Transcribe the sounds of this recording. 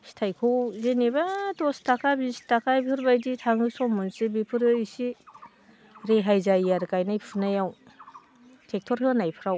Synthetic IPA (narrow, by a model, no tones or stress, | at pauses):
si̥tʰajkʰɯwzenibatɔstakʰabisi̥takʰajpʰɯɾbajditʰaŋɯsɔmunsibipʰɯɾɯsi | ɾeɦajzajaɾkajnajpʰɯnajaw | tʰek̚tʰɔɾɦɯnajpʰɯɾaw